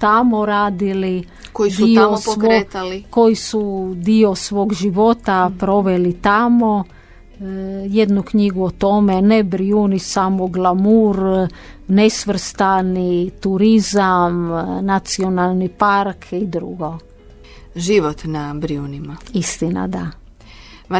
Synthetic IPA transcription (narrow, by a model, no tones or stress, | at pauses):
t̪amoɾaːd̪ili | koid̪ioosoʋkot̪alikojisud̪iosʋo̞ːɡʒiʋo̞t̪apɾo̞ʋelit̪amo | jed̪nukɲiɡuot̪o̞menebɾiunisamoɡlˠamuɾ | nesʋr̩st̪anit̪uɾizamnat̪sio̞nalˠnipaɾkʰid̪ɾṵɡo̞ | ʒiʋot̪nabɾiunimaist̪ina̰d̪a